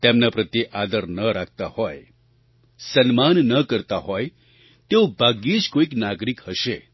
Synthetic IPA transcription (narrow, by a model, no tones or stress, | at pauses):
t̪emnapɾət̪jeʔad̪əɾnəɾak̚ʰt̪ahoj | sənmanːəkəɾt̪aɦoj | t̪eobʱaɡid͡ʒkoiknaɡɾikhəʃe